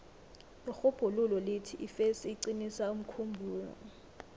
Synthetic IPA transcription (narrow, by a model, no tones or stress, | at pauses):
lixub̥ʱululɔletʰiʔifesiːǀinisaum̩kʰumbʱuːnɔ̰